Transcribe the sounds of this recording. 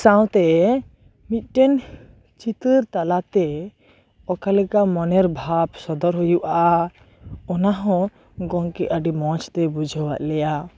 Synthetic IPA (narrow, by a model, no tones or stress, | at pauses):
sãwt̪ɛ | mit̪̚ˀʈɛn | t͡ʃit̪əɾt̪alat̪ɛ | ɔkalɛkamɔnɛɾbʱabsɔd̪ɔɾɦujuʔa | ɔnaɦɔ̃ | ɡɔŋkɛʔəɖimɔ̃t͡ʃt̪ɛbud͡ʒʱɔwaʔ̪lɛja